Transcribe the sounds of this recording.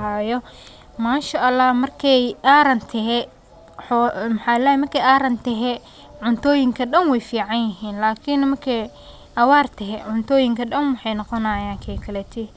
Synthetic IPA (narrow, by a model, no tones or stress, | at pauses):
aːjɔ | maːnʃɐʔɐlːaːhmɐrkʰɛjʔaːɾɐnt̪ʰɛɦɛ | ħɔmħɑlɛːjmɐrkʰɛjʔaːɾɐnt̪ɛɦɛ | ʕʊnt̪ʰɔːjɪŋkʰɐɗɐnwɛjfiːʕɑnjɪɦiːnlaːkʰɪnmɐrkʰɛ | ʔɐwaːrt̪ʰɛɦɛʕʊnt̪ʰɔːjɪŋkʰɐɗɐnwɑħɑjnɔqɔnɐjaːŋkʰɛjkʰɐlɛt̪ʰɪ